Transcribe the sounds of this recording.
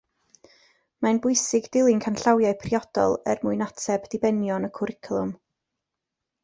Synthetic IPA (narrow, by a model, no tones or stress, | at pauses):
manbʊɨsɪɡdɪlˠɪŋkʰanɬawjajpʰriɔd̥ɔ̰lˠə̰rmʊɨnatʰɛbdɪbɛnjɔnəkʰʊɾɪkʰlˠʊm